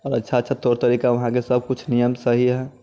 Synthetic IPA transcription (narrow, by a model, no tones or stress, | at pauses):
ɔːɾətːʃʰaətːʃʰat̪oɾt̪əɾikaʋɐɦãkesəb̚ʱkʊt͡ʃʰnijəmsəɦiɦɛ